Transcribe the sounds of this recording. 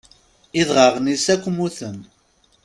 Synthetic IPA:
iðʁəʁnisækʷːmuθəm

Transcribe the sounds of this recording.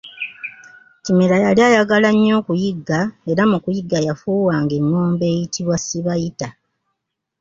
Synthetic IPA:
timelajaliaːjaɡalaɲːo̞ːkujiɡːae̞ɾamukujiɡːajafuːwaːŋɡe̞nːoːmbe̞ːjitʰiβwasiβajita

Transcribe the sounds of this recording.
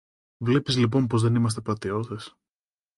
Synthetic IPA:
vle̞pizlip̬o̞npo̞zðe̞nimɐs̬t̪epɐt̪io̞θes

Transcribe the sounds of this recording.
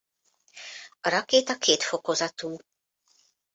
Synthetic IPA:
ɾakeːt̪ɐkʰeːt̪fɔkɔzɐt̪uː

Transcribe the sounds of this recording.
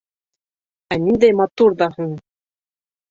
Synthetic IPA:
ænind̪æjmɑt̪uɾd̪ɑhɤɴ

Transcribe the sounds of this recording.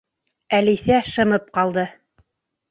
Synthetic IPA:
ælisæʃɤ̆mɤp̚qɑlˠd̪ɤ

